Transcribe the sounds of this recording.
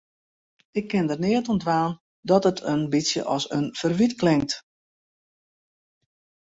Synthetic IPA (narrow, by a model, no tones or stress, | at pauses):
ɪkʰːɪndərnɪətɔndʋaːn | dɔtətʰənbisjə̰ʔɔsənfərʋitklɪŋt